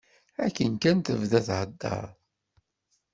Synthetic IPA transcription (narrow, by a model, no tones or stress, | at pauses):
ækːənkænt̪əvðæθhəd̪ːɑ̰ɾˤ